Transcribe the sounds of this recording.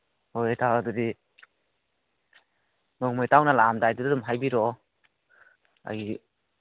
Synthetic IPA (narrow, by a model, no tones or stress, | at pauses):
hojtʰaadɯdi | nokmɯjtawnalamdajdudadumɦajbiɾɔ | a̰j